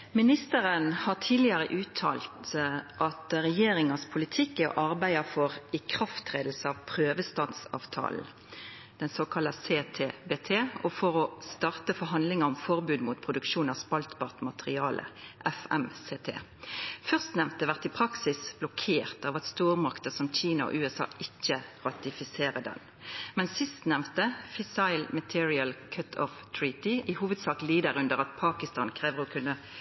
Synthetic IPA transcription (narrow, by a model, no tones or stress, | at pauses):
mɪnɪst̪əʁənhɑːʁtʰiːlɪɑʁəʔʉːt̪ʰɑ̰ːlt̪ʔɑt̪ʁɛjeːɾɪŋɑspʰʊlɪt̪ʰɪkːæʁʔɑʁbæɪɑfɔʁɪkʰʁɑft̪ʁeːd̪l̩səɑʋpʰʁøːʋəst̪ɑnsɑ̰ːʋt̪ʰɑ̰ːln̩ | d̪̥ɛnsoːkʰɑlɑseːt̪ʰeːbeːt̪ʰeːɔfɔʁɔst̪ɑʁt̪əfɔɦɑnd̪lɪŋɑɔmfɔʁbʉːd̪muːt̪̚pʰʁʊd̪ʉkʃuːnɑspɑlt̪bɑːʁt̪mɑt̪əʁɪɑːlʔə̰ʔɛfɛ̰mseːt̪ʰḛːfœʁst̪nɛʋt̪əʋæʁt̪ɪpʰʁɑksɪsb̥lɔkʰeːʁt̪ɑːʋɑt̪st̪uːʁmɑkt̪əsɔmc͡çiːnɑɔ̰ʔʉːɛsɑ̰ːʔɪçːəʁɑt̪ɪfɪseːʁəd̪ɛ̰n | mɛnsɪst̪nɛʋt̪əfɪsɑɪlmət̪ʰɪːɹɪəlkʰœt̪ʰɔ̰ft̪ʰɹiːt̪ɪɪhuːʋəd̪sɑːkliːd̪əʁʉnd̪əʁɑt̪pʰɑːkɪst̪ɑːnkʰʁeːʋəʁɔkʰʉnːə